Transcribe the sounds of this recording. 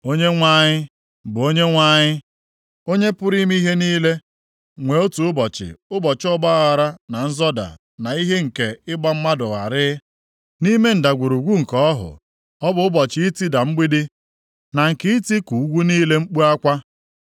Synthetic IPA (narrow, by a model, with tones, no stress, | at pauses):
o˦ɲe˦ŋʷa˦ɲɪ˦ | bʊ˨o˦ɲe˦ŋʷa˦ɲɪ˦ | o˦ɲe˦pʊ˦ɾi˦mi˦ɦe˦niː˦le˦ | ŋʷe˨o˦tu˨ʊ˦bɔ˨t͡ʃɪ̰˨ʊ˦bɔ˨t͡ʃɪ˦ɔ˦ba˦a˦ɣa˨ɾa˦na˨n̩˦zɔ˦da̰˨ | na˨i˦ɦe˦ŋ̩˨ke˨ɪ˦ɡ͡ba˦m̩˦ma˦dʊ˨ɣa̰˨ɾɪ˦ | ni˦me˦n̩˨da˨ɡʷu˨ɾu˨ɡʷu˦ŋ̩˨kɔ˦ɔ˦ɦʊ̰˨ | ɔ˦bʊ˨ʊ˦bɔ˨t͡ʃɪ˦i˦ti˦da˨m̩˦ɡ͡bi˦dɪ˦ | na˨ŋ̩˨kɪ˦i˦ti˦ku˨u˦ɡʷu˦niː˦le˦ŋ͡m̩˦k͡pu˦a˦kʷa˦